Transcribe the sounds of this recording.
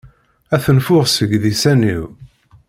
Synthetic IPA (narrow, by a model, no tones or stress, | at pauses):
æθənfʊʁsəʝðisæniw